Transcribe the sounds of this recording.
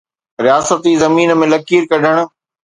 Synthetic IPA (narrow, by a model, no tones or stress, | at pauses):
ɾijaːsət̪izɐmiːnə̆mẽlɐkiːɾkɐɖʱəɽ̃ʊ̆